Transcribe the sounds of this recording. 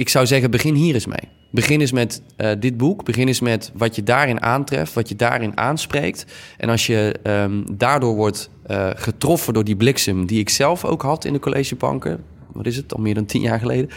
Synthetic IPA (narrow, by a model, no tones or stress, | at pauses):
ɪksawzɛɣəbəχɪnɦiːɾɪsmḛj | bəχɪnɪs̬mɛt | dɪd̚bukbəχɪnɪsmɛtʋɑtjədaːrɪnʔa̰ːntrɛ̰ftʋɑtjədaːrɪna̰ːnsprejk̚tʔɛ̰nɑlˠsjə | daːɹdʊːɹʋɔɹt | χətrɔfəndʊːɹdiblɪksəmdiɪksɛlˠfo̰wkɦɑtʰɪ̰ndəkolʔḛʒəpɑ̰ŋkə̰ | ʋɑ̰tɪsətɑ̰lˠmɪːɹdɑntʰḭnjaːɹχəlejdə